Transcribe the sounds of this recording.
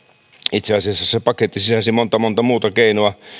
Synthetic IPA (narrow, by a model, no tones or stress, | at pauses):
it̪seɑsiɑsːɑsepɑket̪ːisisæsimont̪ɑmont̪ɑmuːt̪ɑkeinoɑ